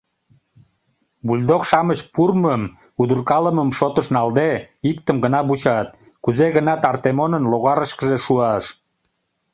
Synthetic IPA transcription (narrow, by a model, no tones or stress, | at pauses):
bulʲd̪okʃɑmət͡ɕpurməm | ud̪urkɑləməmʃot̪əʃnɑld̪eikt̪əmɡənɑbut͡ɕɑt̪ | kuzeɣənɑt̪ɑrt̪emonənloɣɑɾəʃkəʒeʃuɑʃ